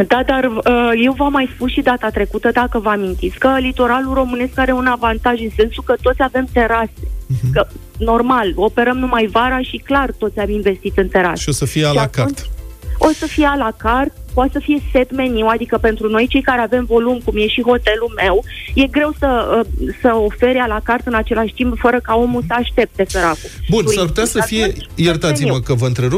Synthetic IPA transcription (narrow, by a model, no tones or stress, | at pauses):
d̪ad̪arəje̞wvamajspusʃid̪at̪at̪ɾe̞kut̪əd̪akəvamint̪it̪skəlit̪o̞ɾaluro̞mɨne̞skaɾe̞unavant̪aʒɨnse̞nsukət̪o̞t̪sʲave̞mt̪e̞ɾase̞kə | no̞rmalo̞pe̞ɾəmnumajvaɾaʃiklart̪o̞t̪sʲamiɱve̞st̪it̪ɨnt̪e̞ɾa̰siosəfiealaknt͡ʃo̞səfijealakart̪̚pat̪səfije̞se̞t̪me̞niwad̪ikəpe̞nt̪ɾuno̞jt͡ʃe̞jkaɾeave̞mvo̞lumkumje̞ʃiɦo̞t̪e̞lume̞wje̞ɡɾe̞wsəəsəo̞fe̞ɾalakart̪ɨnat͡ʃe̞laʃʲt̪impfəɾəkao̞musəaʃt̪e̞p̚t̪e̞feɾakubunsarp̬ut̪easəfijejert̪at̪siməkəvəɨnt̪ɾeɾu